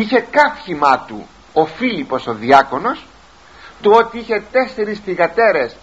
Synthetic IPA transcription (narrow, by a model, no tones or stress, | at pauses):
içe̞kɐfçimɐt̪ṵ | o̞filipo̞so̞ðiɐko̞no̞s | t̪uo̞t̪iiçe̞t̪e̞se̞ɾisθiɣɐt̪e̞ɾe̞s